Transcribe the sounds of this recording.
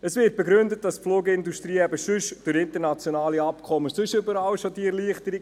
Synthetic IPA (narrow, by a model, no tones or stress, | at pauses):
əsvɪt̚b̥ɛɡɾʏndət̚dɑsfloːɡəɪnduʃtɾiːɛbəʃʏʃd̥ʊɾɪntənɑt͡sjɔnɑːliɑpkʰɔməsʏʃʏbəɾɑwʃodiɛɾliəχtəɾi